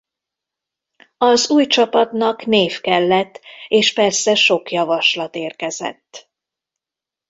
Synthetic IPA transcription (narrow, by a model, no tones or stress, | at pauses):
ɒzuːjt͡ʃɒpɒt̪nɒkneːfkɛlːɛt̪ːeːʃpɛrsɛʃo̞kjɒvɒʃlɒt̪eːrkɛzɛ̰t̪ː